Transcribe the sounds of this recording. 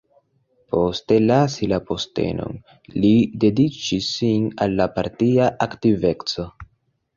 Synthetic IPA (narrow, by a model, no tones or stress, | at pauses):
po̞ste̞lasilapo̞ste̞̰no̞̰n | lide̞dit͡ʃisːinalːapaɾtiaʔaktive̞t͡so̞